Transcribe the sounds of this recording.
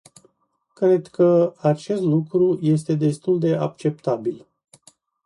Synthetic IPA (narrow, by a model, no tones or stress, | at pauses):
kɾe̞d̪kəat͡ʃe̞st̪lukɾuje̞s̬t̪e̞d̪e̞st̪uld̪e̞a̰k̚t͡ʃe̞p̚t̪abil